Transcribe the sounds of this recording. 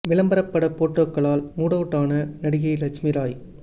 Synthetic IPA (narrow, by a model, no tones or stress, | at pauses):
ʋɪɭɐmbɐɾɐpːɐɽɐpːoːʈːoːkːɐɭaːlmuːɽɐʋʈːaːnɐnɐɽɪɣɐɪlɐt͡ʃmɪɾaːj